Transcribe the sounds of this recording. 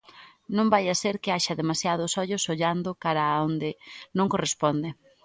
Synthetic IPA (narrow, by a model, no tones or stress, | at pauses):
nõmbajaseɾkɪaʃɐðemasjaðʊsɔʎʊsoʎand̪ʊkaɾaond̪ɪnõŋkorespond̪ɪ